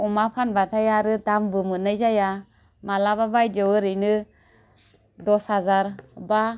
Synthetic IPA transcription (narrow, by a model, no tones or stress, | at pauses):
ɔmapʰanbatʰajaɾɯdambɯmɯnɯjzaja | malababajdɯwɯɾɯjnɯ | dɔshazaɾba